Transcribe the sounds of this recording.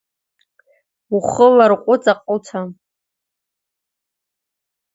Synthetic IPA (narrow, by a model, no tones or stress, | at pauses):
uχəlarqʷʼʊt͡sʼaqʼʊlt͡sʰa